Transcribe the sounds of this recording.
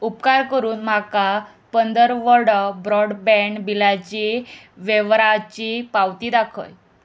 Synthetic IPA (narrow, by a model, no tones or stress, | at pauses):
upkaɾkəɾuːnm̤aka | pənd̪əɾʋəɽəbɾɔɽbɛ̃ɳɖbilat͡ɕiʋeʋɾat͡ɕipawt̪iːd̪akʰə̰j